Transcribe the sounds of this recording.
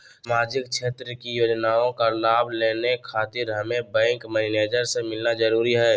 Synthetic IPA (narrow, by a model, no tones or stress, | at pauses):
smaːd͡ʒɪk̚ʃʰeːt̪ɾəkijoːd͡ʒnaːõkalaːbʱleːnekʰaːt̪ɪɾɦɐmẽbɛ̃ːŋkməɪneːd͡ʒəɾsemɪlnad͡ʒəɾuːɾiɦɛː